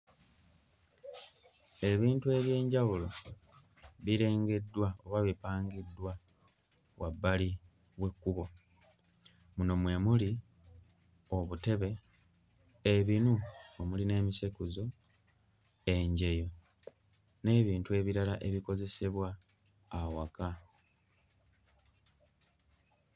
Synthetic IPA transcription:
e̞βiːntue̞βje̞ːɲɟaβulo̞ | βiɾe̞ːŋɡe̞dːwaoβaβipaːŋɡidːwa | wabːali | βwe̞kːuβo̞ | muno̞mwe̞muli | oβute̞βe̞ | βinuomuline̞ːmisekuzo̞ | e̞ɲɟe̞jo̞ | ne̞ːβiːntue̞ːβiɾalaʔe̞βiko̞ze̞se̞βwaː | waka

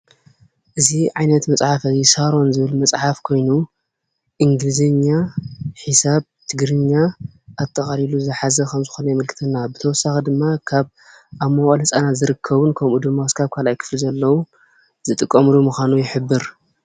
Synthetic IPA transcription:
ʔɨziʕajnɐt̪mɐt͡sʼħafajisaɾo̞nzɨβɨlmɐt͡sʼħafkʰo̞jnu | ʔiŋɡlizɨɲːaħisaβ | t̪ʰɨɡɾɨɲːaʔːt̪ʼːɐχʼaliluzɨħazɐkʰɐmzɨxonɐjmɨlkʰɨ̥t̪ʰɨnːabɨt̪ʰɐwɔsːaxid̪ɨmːakʰaβ | ʔamːɐwʼalhɨsʼanazɨɾɨkʰːɐβɨnkʰɐmud̪ɨmːaskʰaβkʰalajkʰɨ̥flizɐlːɐwu | z̥ɨt̪ʼɨkʼːɐmlumuxʷanujɪħɨbːɨɾ

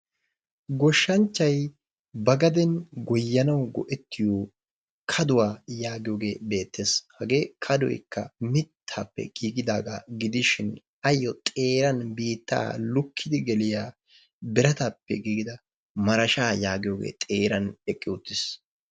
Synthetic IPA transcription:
ɡɔʃːɐnt͡ʃːɐj | bɐɡɐd̪ɛnɡɔjːɐnɐwɡɔ̰ʔɛt̪ʰːɪjoː | kʰɐd̪ʊwaːjaːɡɪjoːɡe̞ːbe̞ːt̪ːeːshɐɡe̞ːkʰɐd̪ɔ̰jkːɐ̰mɪt̪ʰːaːpːɛ̰ɡ̥iːɡɪd̪aːɡa̰ːɡɪd̪ɪʃɪn | ɐjːɔt̪ʼe̞ːɾɐnbiːt̪ːa̰ːlʊkʰːɪd̪ɪɡɛlɪjaː | bɪɾɐt̪aːpːɛ̰ɡiːɡɪd̪ɐ | mɐɾɐʃaːjaːɡɪjo̞ːɡḛːt̪ʼeːɾɐnɛkʼːɪʊt̪ːɪs

